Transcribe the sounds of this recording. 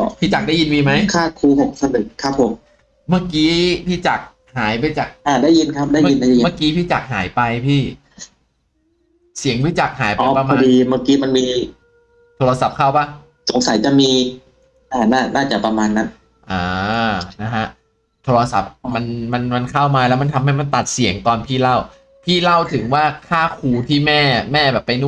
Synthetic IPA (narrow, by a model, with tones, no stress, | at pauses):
ɔ˧˩pʰiː˥˩t͡ɕaː˨˩k̚da˥˩ji˧nmiː˧ma˦˥jkʰaː˥˩kʰuː˧ho˨˩k̚sa˧nɯ˨˩k̚ʰːa˦˥pʰːo˨˩˦m | maː˥˩kiː˨˦˥pʰiː˥˩t͡ɕa˨˩k̚ | haː˩˦jp̬a˧jt͡ɕaː˨˩k̚ʔaː˧˩daː˥˩ji˧nkʰa˦˥p̚daː˥˩ma˧i˧nda˥˩˨i˧ma˥˩kiː˦˥pʰiː˥˩t͡ɕaː˨˩k̚ɦaː˩˦jpa˧jpʰiː˥˩ | si˨˩˦əŋwʰiː˦˥˩t͡ɕa˨˩k̚haː˨˩˦jpʔɔ˧˦kpɾa˧ma˧diː˧maː˥˩kiː˦˥ma˧nmiː˧ | t̪ʰoː˧ɾa˧sa˨˩p̚kʰaː˥˩wpa˦˥˩ | so˨˦ŋsa˨˦jt͡ɕa˨˩miː˧ | ʔaː˧˩naː˥˩naː˥˩t͡ɕa˨˩pɾa˧maː˧nːa˦˥n | ʔaː˨˩na˦˥ɦa˦˥ʔ | t̪ʰoː˧ɾa˧sa̰˨˩p̚ma˧nma˧nma˧nkʰa˥˩wmaː˧lɛ˦˥wma˧nt̪ʰa˧mha˥˩jma˧nt̪a˨˩t̪̚si˨˩˦əŋt̪ɔː˧npʰiː˥˩la˥˩w | pʰiː˥˩la˥˩wt̪ʰɯ˩˦ŋwaː˥˩kʰaː˥˩kʰuː˧t̪ʰiː˥˩mɛː˥˩mɛː˥˩bɛː˨˩pːa˧jnu˥˩